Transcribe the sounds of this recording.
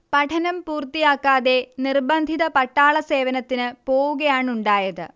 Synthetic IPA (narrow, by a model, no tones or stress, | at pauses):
pɐʈʰɐnɐmpuːrt̪ːijaːkːaːðe̞nirbɐnd̪ʱiðɐpɐʈːaːɭɐse̞ːʋɐnɐt̪ːinɨpo̞ːwuɣɐjaːɳuɳɖaːjɐðɨ̰